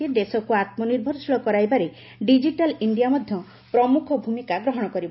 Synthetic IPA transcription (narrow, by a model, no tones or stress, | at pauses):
ed̪esɔkuat̪mɔniɾbʱɔɾsɔɭɔkɔɾajbaɾe | ɖid͡ʒiʈaliɳɖijamɔd̪ʱjɔ | pɾɔmukʰɔbʱumikaɡɾɔɦɔɽ̃ɔkɔɾibɔ